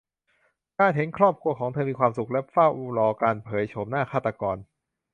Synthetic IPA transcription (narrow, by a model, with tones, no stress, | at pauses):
kaː˧˩nt̪ʰe˨˩˦nkʰɾɔː˥˩p̚kʰu˧ɐkʰɔː˩˦ŋt̪ʰɤː˧miː˧kʰwaː˧msu˨˩k̚lɛ˦˥fa˥˩wʔu˧lɔː˧kaː˧npʰɤː˩˦jt͡ɕʰo˩˦mnaː˥˩kʰaː˥˩t̪ːa˧kɔː˧n